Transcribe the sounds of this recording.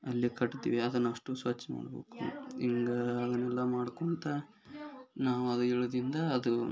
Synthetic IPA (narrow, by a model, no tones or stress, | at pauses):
ɐlːikɐʈːt̪ḭːʋiɐd̪ɐnːɐʂʈusʋɐt͡ʃːɐma̰ːɽbe̞̰ːkuiŋɡɐːd̪ɐnːɛlːɐmaːɽkoɳt̪ɐ | naːʋuɐd̪ueːɭod̪ɾind̪ɐːd̪u